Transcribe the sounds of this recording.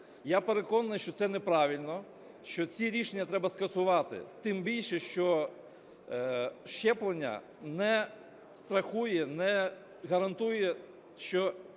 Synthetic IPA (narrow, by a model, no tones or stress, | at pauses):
japeɾekɔnɐnɪjʃt͡ʃɔt̪sɛnɛpɾɑʋʲilʲnɔ | ʃt͡ʃɔt͡sʲiɾʲiʃenʲːɐt̪ɾɛbɐskɐsʊʋɑt̪ɪ̰t̪ɪmbʲilʲʃɛʃt͡ʃɔ | ʃt͡ʃɛplˠenʲːɐ̰ | nɛ | st̪ɾɐxujɛnɛ | ɣɐɾɐnt̪ujɛ | ʃt͡ʃɔ